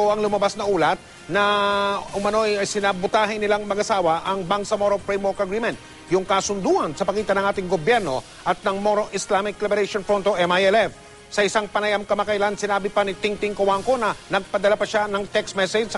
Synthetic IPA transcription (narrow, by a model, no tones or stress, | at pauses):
oɐŋlʊmɐbasnɐʔuːlɐt̪̚ | nɐʊmɐno̞ɐjɐjsɪnabʊt̪aːɦɪnɪlaŋmɐɡɐsaːwɐʔɐŋbaŋsɐmoɾopɹejmokɐɡɾimɛ̃nt̪̚ | jʊŋkɐsʊnd̪uhɐnsɐpɐkiːt̪ɐnɐ̃ŋʔaːt̪ɪŋɡobjɛɾno̞ | ʔɐt̪̚nɐŋmoɾoʔɪslamɪklɛbɛɾeʃonfɾont̪oʔɛmajɛlɛf | sɐʔɪsaŋpɐnajɐmkɐmɐkɐjlansɪnaːbɪpɐnɪt̪ɪŋt̪ɪŋkowaŋko̞nɐnɐɡ̚pɐd̪ɐlapɐʃanɐŋt̪ɛksmɛsɛd͡ʒsɐ